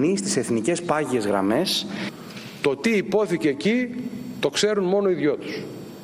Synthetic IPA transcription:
nist̪i̥se̞θnice̞spɐʝie̞zɣɾɐ̰me̞s | t̪o̞t̪iːpo̞θiceːcit̪o̞kse̞ɾunmo̞no̞iðʝo̞t̪u̥s

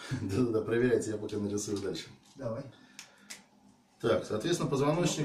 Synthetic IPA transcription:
d̪ad̪ad̪apɾəvʲɪɾʲɛjtʲɪjapəkʲanəɾʲɪsujʊd̪alʲʂɨ̥ | d̪a | t̪aksɐːt̪vʲet̪sʲɪnəpəzvɐno̞t͡ɕnʲɪ

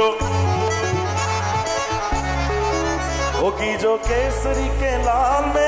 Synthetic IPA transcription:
oː | oːkid͡ʒoːkeːsəɾiːkelaːlmẽ

